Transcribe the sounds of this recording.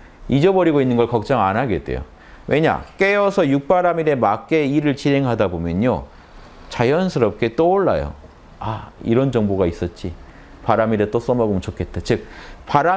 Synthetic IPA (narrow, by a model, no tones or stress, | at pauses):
id͡ʑʌbʌɾiɡoinːɯnɡʌɭkʌk̚t͡ɕ͈aŋanɦaɡe̞de̞̰jo̰ | wʔe̞ɲa̰k͈e̞ʌsʰʌjuk̚p͈aɾamiɾe̞mak̚k͈e̞iɾɯɭt͡ɕiɦe̞ŋɦadabomjʌɲo | t͡ɕajʌnsʰɯɾʌp̚k͈e̞t͈oːɭːa̰jo̰ | aḭɾʌnd͡ʑʌŋboɡais͈ʌt̚t͡ɕ͈i | paɾamiɾet͈os͈ʌmaɡomt͡ɕʰokʰe̞t̚t͈et͡ɕɯk̚paɾa